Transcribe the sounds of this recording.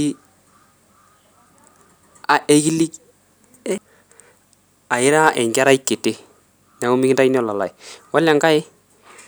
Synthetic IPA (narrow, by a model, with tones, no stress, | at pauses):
i˦ | a˨ɛ˦ɣi˦li˦k | a˨e˦ɾa˦ʔɛ˨ŋɡa˦ɾa˦i˦kːe˨te˦ | na˨o˦mi˦ɣi˦nda˦i˦n˦ɔ˨la˨la̰˨e˨wa˦lja˨ŋɡa˦e˦